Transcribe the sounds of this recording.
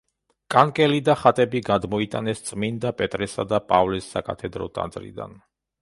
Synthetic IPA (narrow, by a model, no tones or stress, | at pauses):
kʼankʼɛlid̪aχat̪ʼɛbiɡad̪mɔit̪ʼanɛst̪sʼmind̪apʼɛt̪ʼɾɛsa̰d̪apʼavlɛsːakʼat̪ʰɛd̪ɾɔ̰t̪ʼa̰nd̪zʼɾḭd̪a̰n